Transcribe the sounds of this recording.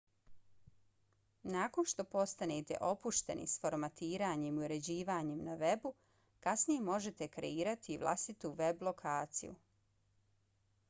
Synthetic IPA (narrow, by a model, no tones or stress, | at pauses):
naːko̞nʃt̪o̞po̞st̪anet̪e̞̰ʔo̞puʃt̪e̞̰nḭsfo̞ɾmat̪iːɾaːɲemiuɾe̞d͡ʑiːʋaːɲemnaʋe̞bu | kasnijemo̞ʒe̞t̪e̞kɾḛiːɾat̪iʋlˠa̰st̪it̪uʋe̞blˠo̞kʰaːt̪sḭjṵ